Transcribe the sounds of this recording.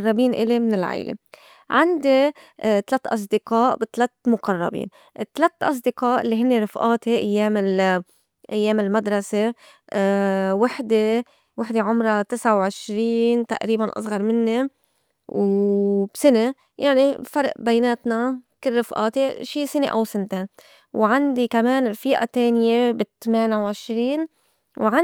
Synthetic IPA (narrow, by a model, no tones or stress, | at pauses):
rˤːɑbiːnʔɪ̰lemɪnɪlʕa̰jlḛ | ʕand̪it̪alat̪ːʔɑs̬ˤd̪ɪqɑːʔbɪt̪alat̪mʊqɑrˤːɑ̰bḭːn | ʔɪt̪ːalat̪ːʔɑs̬ˤd̪ɪqɑːʔɪlːiɦɪnːeɾˤɪfʔaːt̪eʔajːeːmɪl | ʔajːeːmɪlmad̪ɾˤɑse | wɪħd̪e | wɪħd̪eʕʊmɾˤɑt̪ɪsʕawʕɪʃɾiːnt̪a̰ʔɾiːbanʔɑ̰sˤɣɑɾˤmɪnːi | wb̥sɪne | jaʕnifɑɾˤʔbajneːt̪nakɪlːɪfʔɑ̰ːt̪iʃiːsɪnḛʔa̰wsɪnt̪e | wʕand̪ikameːnɪlfiːʔa̰t̪eːnɪjebɪt̪ameːnawʕɪʃɾiːn | wʕa